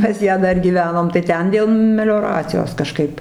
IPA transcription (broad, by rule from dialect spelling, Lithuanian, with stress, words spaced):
pɐs ˈjæː ˈdɐr ɡʲiːˈʋʲæːnoːm tɐɪ ˈtʲɛn dʲeːlˠ mʲɛlʲoːˈrɑːt͡sʲɪjoːs kɐˈʃkɐɪp